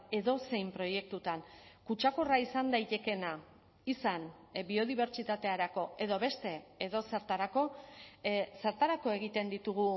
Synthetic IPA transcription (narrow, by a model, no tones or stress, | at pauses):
e̞ðo̞se̞jmpɾo̞je̞k̚t̪ut̪ankut͡ʃakoraisand̪ajt̪e̞ke̞na | isan | bio̞ðiβ̞e̞ɾt͡ʃit̪at̪e̞aɾako̞e̞ðo̞βe̞st̪e̞ːðo̞se̞ɾt̪aɾako̞ | seɾt̪aɾako̞e̞ɣ̞it̪e̞nd̪it̪uɣ̞u